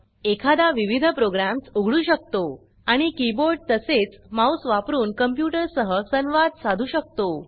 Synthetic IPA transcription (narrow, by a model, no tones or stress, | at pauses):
ekʰad̪aʋiʋid̪ʱəpɾoɡɾamsuɡʱɭuːɕək̚t̪o | aɽ̃ikiboɾɖ̚t̪əset͡smausʋapɾuːnkəmpjuʈəɾsəɦəsənʋad̪̚sad̪ʱuːɕək̚t̪o